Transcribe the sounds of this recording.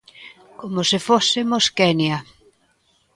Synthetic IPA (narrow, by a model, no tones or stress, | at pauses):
komosɪfosɪmoskɛnja